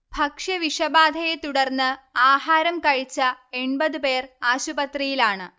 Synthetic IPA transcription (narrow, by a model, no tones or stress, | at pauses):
bʱɐkʂɐʋiʂɐbaːd̪ʱɐjet̪uɽɐrnːɨaːhaːɾɐmkɐɻit͡ɕːɐe̞ɳbɐðɨpeːraːɕubɐt̪rijilaːɳɨ